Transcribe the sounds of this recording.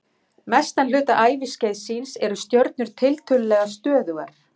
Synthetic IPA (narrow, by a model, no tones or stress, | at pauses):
mɛst̪anlʏːt̪aʔaːjvɪscejðsinsɛɾʏst̪jœɾt̪̚nʏɾ̥t̪ʰɪlt̪ʰʏllɛːɣast̪œːðʏɣaɾ̥